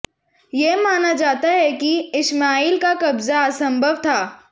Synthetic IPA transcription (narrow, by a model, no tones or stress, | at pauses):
jemaːnad͡ʒaːt̪aɦɛkiɪsmaːiːlkakɐbzaɐsə̃mbʱəʋt̪ʰaː